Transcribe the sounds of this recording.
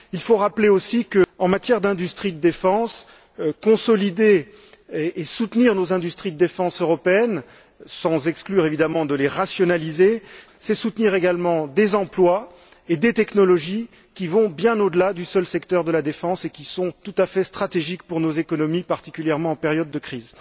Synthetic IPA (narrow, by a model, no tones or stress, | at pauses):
ilfoʁapleosikəɑ̃mat̪jɛʁd̪ɛ̃d̪yst̪χid̪əd̪efɑ̃s | kɔ̃sɔlid̪e | eːsut̪niʁnozɛ̃d̪yst̪χid̪əd̪efɑ̃søʁɔpeɛn | sɑ̃zɛksklyʁevid̪amɑ̃d̪əleʁasjɔnalize | sɛsut̪niʁeɡalmɑ̃d̪ezɑ̃plwa | ed̪et̪ɛknɔlɔʒi | kʲivɔ̃bjɛ̃nod̪əlad̪ysœlsɛkt̪œʁd̪əlad̪efɑ̃sekʲisɔ̃t̪ut̪afɛst̪χat̪eʒikpuʁnozekɔnɔmipaʁt̪i̥kʲyljɛʁmɑ̃ɑ̃pɛʁjɔd̪ːəkχiz